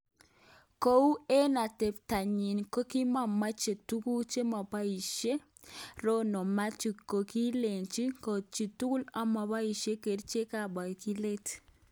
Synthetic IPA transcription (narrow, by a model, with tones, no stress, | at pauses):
ko˦u˦e˦na˨te˨p̚ta˨ɲi˨nko˦ki˦ma˦˨ma˦t͡ʃe˨tu˦ku˦t͡ʃe˦ma˨pa˦i˨ʃje˦ | ɾo˦nɔ˨ma˦t͡ʃi˨ko˨ki˦le˨nt͡ʃi˦ko˨t͡ʃi˨tu˦ku˦la˨ma˨pa˦i˨ʃje˦ke˨ɾt͡ʃe˦ka˨ɓa˨i˨ki˦le˦t